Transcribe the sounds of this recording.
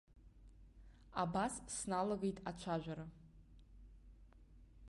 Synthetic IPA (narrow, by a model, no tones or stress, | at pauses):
abassnalaɡejtʼat͡ʃʷʰaʒᶣʷaɾa